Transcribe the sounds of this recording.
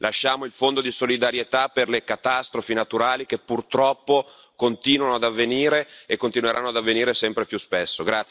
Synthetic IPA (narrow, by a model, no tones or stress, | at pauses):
lʔaʃːaːmoilfond̪od̪isolid̪aɾjet̪aperlekat̪ast̪ɾofinat̪uɾaːlik̟epːurt̪ɾɔpːo | kont̪iːnwanoad̪avːeniːɾeekːont̪inweɾʔanːoad̪avːeniːɾesɛmpɾepjuspesːoɡɾat̪s